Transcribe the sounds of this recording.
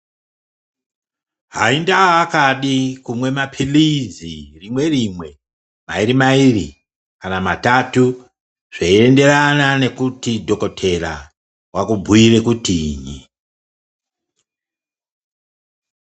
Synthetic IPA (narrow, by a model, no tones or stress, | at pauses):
ɦaindaːkaɗikumwe̞mapʰilizirimwe̞rimwe̞ | maiɾimairḭ | kanamatatu | ʐ̥eiende̞ɾanane̞kutidʱo̞ko̞tʰe̞ra̰ | wakubʱuire̞kutiɲi